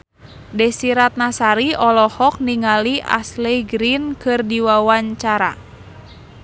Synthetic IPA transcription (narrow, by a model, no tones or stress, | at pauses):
dɛsiɾat̪̚nasaɾiɔlɔhɔk̚niŋaliʔa̰slejɡɾinkɨrdiwawaɲt͡ʃaɾa̰